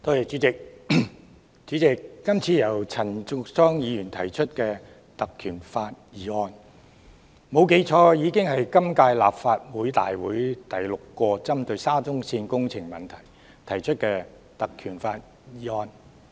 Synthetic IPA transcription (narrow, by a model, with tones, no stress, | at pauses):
t̪oː˥jɐ˨˩t͡ʃyː˨˥t͡sɪ˨k̚ | t͡ʃyː˨˥t͡sɪ˨k̚ːɐ˥mt͡sʰiː˨˧jɐ˨˩wt͡sʰɐ˨˩nt͡sʊ˧k̚sɔː˥ŋjiː˨˧jyː˨˩nt̪ʰɐ˨˩jt͡ʃʰɵ˥t̚kɛː˧ | t̪ɐ˨kʰːyː˨˩nfaː˧t̚jiː˨˧ɔː˧n | mo˨˧wke˨˥jt͡ʃʰɔː˧jiː˨˧kɪ˥ŋhɐ˨jkɐ˥mkaː˧jla̰ː˨p̚faː˧t̚wuː˨˥jt̪a̰ː˨jwuː˨˥jt̪ɐ˨jlʊ˨kːɔː˧t͡sɐ˥mt̪ɵ˧ɥsaː˥t͡sʊ˥ŋsiː˧nkʊ˥ŋt͡sʰɪ˨˩ŋmɐ˨˩nt̪ʰɐ˨˩j | t̪ʰɐ˨˩jt͡ʃʰɵ˥t̚kɛː˧ | t̪ɐ˨kʰyː˨˩nfaː˧t̚ | jiː˨˧ɔː˧n